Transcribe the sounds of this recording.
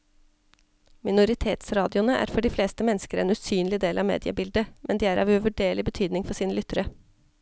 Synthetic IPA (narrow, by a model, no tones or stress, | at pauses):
mɪnʊɾɪt̪ʰeːt̪sɾɑːd̪ɪʊnəʔæ̰ːɾfɔɖiːfleːst̪əmɛnskəɾɛːnʉsyːnlɪd̪eːlʔɑʋmḛːd̪ɪə̰bɪld̪əmʔɛnd̪iːæːɾɑ̰ʋʉʋʉɖeːɭɪbət̪ʰyːd̪nɪŋfɔʂsiːnəlʏt̪əɾə